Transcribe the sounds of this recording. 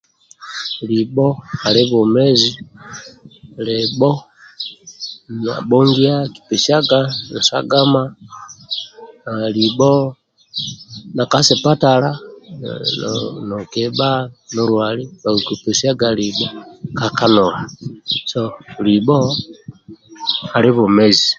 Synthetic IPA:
libɔ˦ha˨li˦βɔ˨mɛ˦zi˦ | lɛbɔ˦ | na̰˨bɔ˦ŋɡi˦a˦ki̥˨pi˨sa˦ɡa˦na˨sa̰˦ɡa˦ma˦ | na˨li˨bɔ˦ | na˨ka˦si˨pa˦tala | nokebanoɾwaliβa˨kipesiaɡalibokaka˦nolasolibɔ | hali˦βumezi

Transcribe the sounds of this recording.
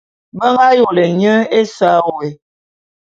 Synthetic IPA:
bə˦ŋɡa˦jo˨le˨ɲə˦e˦sa˦˨we˨

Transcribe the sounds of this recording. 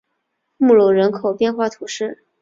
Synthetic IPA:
mu˥˩lu˨˩ɻə˧˥nkʰo˨˩ʊpjɛ˥˧nxwa˥˩t̪ʰu˧˥ʂɻ̩˥˩

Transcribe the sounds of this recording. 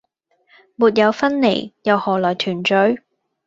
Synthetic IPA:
muː˨t̬̚jɐ˨˧wfɐ˥nle˨˩jjɐ˨˧whɔː˨˩lɔː˨˩jt̪ʰyː˨˩nt͡ʃɵ˨˥ɥ

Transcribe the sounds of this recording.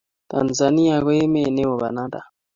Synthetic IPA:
ta̰˨nza˨ni˦ja˨ɣo˦e˦me˦˨ne˦wo˨βa̰˨na˦da̰˨

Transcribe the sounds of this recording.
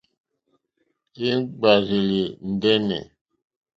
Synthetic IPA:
e˦ŋ˦ɡ͡ba˨zi˨li˨n̩˨dɛ˦nɛ̰˨

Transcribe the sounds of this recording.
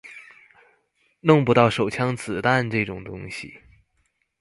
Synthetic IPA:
nʊ˥˧ŋpu˥t̪ɑ˥˩ʊʂo˨˩ʊt͡ɕʰjɑ˥ŋt͡sʰɹ̩˨˩t̪a˥˧nʈ͡ʂɤ˥˩ʈ͡ʂʊ˨˩ŋt̪ʊ̰˥ŋɕḭ˨˩

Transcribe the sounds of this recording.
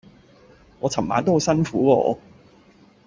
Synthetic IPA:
ŋɔː˨˧t͡sʰɐ˨˩mma̰ː˨˧nt̪o˥ho˨˧wsɐ˥nfuː˨˥kɔː˧ɔ̰ː˨˧

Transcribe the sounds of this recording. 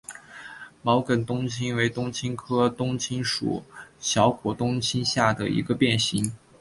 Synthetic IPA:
mɑ˧˥ʊkə˨˩nt̪ʊ˥ŋt͡ɕʰi˥nwe˧˥ɪt̪ʊ˥ŋt͡ɕʰi˥nkʰɤ˥t̪ʊ˥ŋt͡ɕʰi˥nʂṵ˨˩˦ɕjɑ˧˥ʊkwɔ˧˥t̪ʊ˥ŋt͡ɕʰi˥nɕja˥˩d̪ə˩ʔḭ˧˥ɡə˧pjɛ˥˩nɕi˧˥ŋ

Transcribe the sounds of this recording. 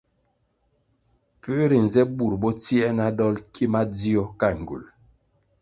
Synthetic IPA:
pə˦ɾi˨n˨zɛ˦bu˨ɾbɔ˦t͡si˦ɛ˦na˦dɔ˦lkʰi˦ma˦d͡zi˦ɔ˦ka˦˨ŋ˨ɡṵ˨l

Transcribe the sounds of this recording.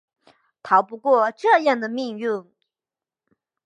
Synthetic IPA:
t̪ʰɑ˧˥ʊpu˧˥kwɔ˥˧ʈ͡ʂɤ˥˧jɑ˥˩ŋd̪ə˩mi˥˧ŋy˥˩ŋ

